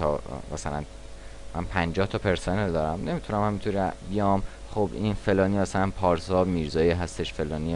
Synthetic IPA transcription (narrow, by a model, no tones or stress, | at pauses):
t̪ʰɒ̰mæsælæn | mʔænpʰænd͡ʒɒːht̪ʰɒːpʰe̞ɾseneld̪ɒːɾæmne̞mit̪ʰunæmhæmit̪ʰunibijɒːm | χobinfe̞lɒːniːmæsælænpʰɒːɾsɒmiɾzɒːjiɦæst̪e̞ʃfe̞lɒːni